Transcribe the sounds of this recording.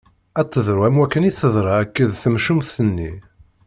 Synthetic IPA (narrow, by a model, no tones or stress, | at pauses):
æt͡s̪ˤːəðˤɾuæmwækːəniθəðˤɾˤɑækːəðθəmʃumθːənːi